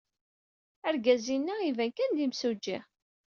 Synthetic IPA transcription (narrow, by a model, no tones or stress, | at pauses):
æɾɡæzinːæivænkænd̪imsud͡ʒːḭ